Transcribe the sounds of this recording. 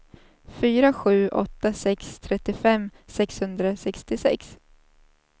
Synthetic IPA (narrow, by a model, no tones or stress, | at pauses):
fyːɾaɧʉ̟ːʔɔ̰t̪ːasɛkst̪ʰɾɛt̪ːɪfɛmːsɛkshɵnd̪ɾasɛkst̪ɪsɛ̰ks